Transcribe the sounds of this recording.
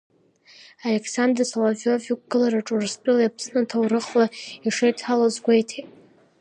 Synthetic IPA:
ale̞kʰʼsand̪rsalavovukʷʼɡ̥ɨlaɾaʈ͡ʂʼurspʼɨljapʰsnɨtʰawrɨχlaiʂejtʰalazɡʷejtʰejtʼ

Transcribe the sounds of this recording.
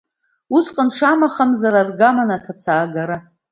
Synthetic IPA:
usqʼənʂamaχamzaɾarɡamanatʰat͡sʰaːɡaɾa

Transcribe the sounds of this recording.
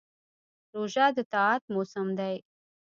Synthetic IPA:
ɾoʒɑd̪ət̪ɑːt̪̚mosamd̪aj

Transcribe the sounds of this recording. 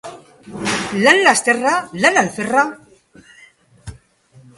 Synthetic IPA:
lalːast̪eralalalfera

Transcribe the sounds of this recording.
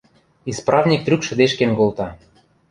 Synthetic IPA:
isprʔɑvnʲik̚t̪ɾʲykʃə̆d̪eʃkenkolt̪ɑ

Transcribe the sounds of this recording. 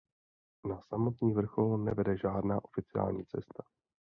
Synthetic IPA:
nasamo̞t̪ɲiːvr̩xo̞lnɛvɛdɛʒaːdnaːʔo̞fɪt͡sɪa̰ːlɲḭːt͡sɛst̪ḁ

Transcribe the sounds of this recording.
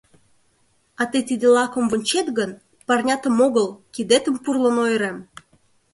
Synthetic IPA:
ɑt̪ət̪id̪əlɑkə̆mvunʲt͡ɕet̪ɣən | pɑrnʲɑt̪əmoɣəlkid̪et̪əmpurlənojɾem

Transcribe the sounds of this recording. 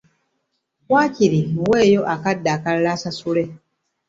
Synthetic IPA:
waːciɾimuweːjo̞ʔakadːaːkallaːsasule̞

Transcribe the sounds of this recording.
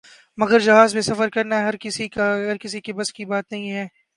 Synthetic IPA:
mɐɡəɾd͡ʒɐɦaːzmẽsɐfəɾkɐɾnaɦɐɾkɪsikaɦɐɾkɪs̬ikibɐskibaːt̪nɐɦĩɦɛː

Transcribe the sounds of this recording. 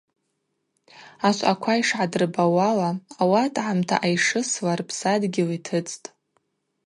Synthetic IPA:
aʃʷʼakʷʰaiʂʕadrbawalaːwatʼʕamtʰa̰ʔajʂɨslarpʰsadɡʲɪlitʰɨt͡sʰʼtʼ

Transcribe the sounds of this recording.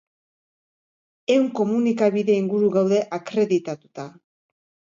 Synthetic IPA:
e̞wŋko̞munikaβiðe̞iŋɡuɾuɣawðe̞ʔakɾe̞ðit̪at̪ut̪a

